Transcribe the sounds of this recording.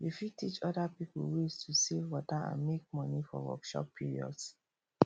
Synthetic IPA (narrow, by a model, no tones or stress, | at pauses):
jufitit͡ʃɔdapipṵwistʰusevwɔtaã̰nmek̚mɔnifɔ̰wɔ̰kʃɔ̰pːiɹiɔ̰ds